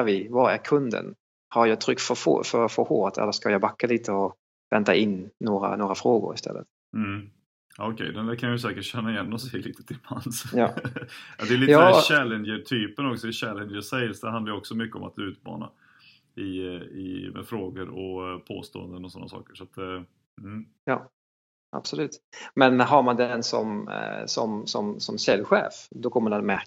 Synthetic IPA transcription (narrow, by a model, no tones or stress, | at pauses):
æɾvɪvɑɾæɾkʰɵnd̪ə̰n | haɾjɑt̪ʰɾʏkːt̪fœfo̰fœɾfəɾho̰ːt̪ʰɛ̰lːəʂkajabakːaliːt̪ʰəɔ | vɛnt̪aʔɪnːoːɾa̰noːɾafɾoːɡʊ̰ɾɪst̪ɛ̰lːə̰t̪ | m̩ | aɔkʰɛ̰jd̪ɛnd̪ækʰanjəs̬ɛːkəʈɕɛnːaɪjɛnːɔsɛjliːt̪ə̥t̪ʰɪlpʰansjɑ̰ːjɑ̰d̪ɛjliːæɕɛlːɛnjəʈʰyːpənɔksɔd̪ɛɕɛlːɛnjəʂɛɪlsd̪ɛɾhand̪ajəɔksɔmʏkːəɔma̰t̪ʉ̟ːt̪mɑ̰ːna̰ | ɪɪ̰mɛ̰fɾoːɡəɾɔpʰo̰ːst̪o̰ːə̰nd̪ənɔsɔnːa̰sɑ̰ːkəʂat̪̚d̪ɛ | jɑː | ʔa̰b̥sɔlʉ̟ːt̪mɛnɦaɾmand̪ɛɛnsɔ̰msɔ̰msɔ̰msɔmsɛlɧḛːfd̪ɔkʰɔmːənamɛ